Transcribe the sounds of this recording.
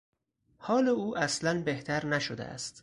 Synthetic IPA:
hɒːleuːʔæslænbe̞ht̪ʰæɾnæʃod̪ḛæ̰st̪

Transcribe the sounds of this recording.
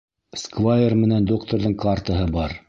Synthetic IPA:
skvajermɘ̆nænd̪okt̪oɾðɤɴkart̪aɦɤbɑɾ

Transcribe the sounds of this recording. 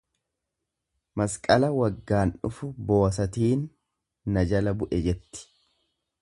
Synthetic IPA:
mɐskʼɐlɐwɐɡːaːnʊfʊbo̞ːsɐt̪iːnː | ɐd͡ʒɐlɐbʊʔɛd͡ʒɛt̪ːɪ̥

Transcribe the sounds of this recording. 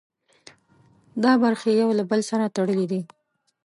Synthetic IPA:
d̪ɑbaɾxejawlabəlsaɾat̪aɽəlid̪i

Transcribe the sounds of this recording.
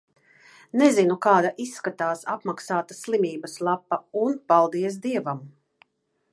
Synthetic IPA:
nɛzinukaːd̪aʔisːkat̪aːsapmaksaːt̪aslˠimiːbɐslˠapːɐunpalˠd̪iɛs̬d̪iɛvam

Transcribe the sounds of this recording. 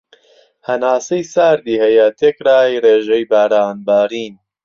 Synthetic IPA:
hɐnaːsejsaːɾd̪iːhɐjat̪ʰeːkɾaːjreːʒɐjbaːɾaːnbaːɾiːn

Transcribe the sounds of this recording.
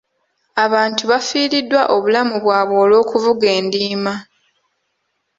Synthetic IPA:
aβaːntuβafiːɾidːwaʔo̞βulamuβwaːβo̞ːlo̞ːkuvuɡe̞ːndiːma

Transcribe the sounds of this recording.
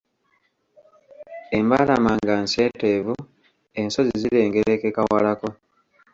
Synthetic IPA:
e̞mbaːlamaːŋɡanse̞ːte̞ːvu | e̞nso̞zizile̞ːŋɡeɾe̞ke̞kawalako̞

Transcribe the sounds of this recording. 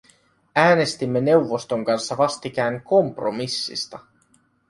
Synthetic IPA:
æːne̞st̪imːe̞ne̞wʋːo̞st̪oŋkɑnsːɑʋɑst̪ik̟æːnko̞mpro̰misːḭst̪ɑ

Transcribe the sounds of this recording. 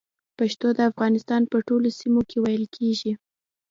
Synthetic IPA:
paʃt̪od̪əafɣɑnɪst̪ɑnpəʈolosimokʰewajəlkʰeʒi

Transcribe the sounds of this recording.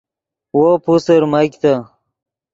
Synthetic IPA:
wopusəɾmajkt̪a

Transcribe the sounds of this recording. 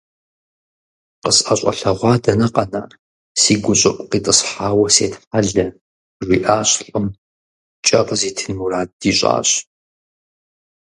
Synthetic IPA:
qəsɐɕʷʼɐ̰ɬɐʁʷɑːdɐnɐqɐna̰ː | siːɡʷʊɕʼɐʔʷʼqiːtʼəsħaːwɐseːtħaɮɐ | rʷiːʔaːɕɬʼʊm | t͡ʃʼɐqʼəziːtʰɨnmuraːd̚diːɕʷʼa̰ːɕʼ

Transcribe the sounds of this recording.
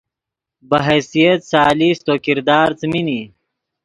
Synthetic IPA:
bɐɦɛjsijet̪saːlist̪oːkiɾd̪aːɾt͡smini

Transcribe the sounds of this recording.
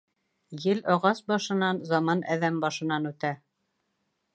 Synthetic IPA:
jɘlɑʁɑsbɑʃɤ̆nɑnzɑmɑnʔæðæmbɑʃɤ̆nɑnʉt̪æ

